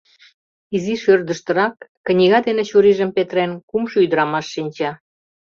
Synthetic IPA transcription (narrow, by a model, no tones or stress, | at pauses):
iziʃørd̪əʃt̪ə̆ɾɑkːə̆nʲiɣɑd̪enet͡ɕuɾiʒə̆mpet̪ɾenkumʃoyd̪əɾɑmɑʃːinʲt͡ɕɑ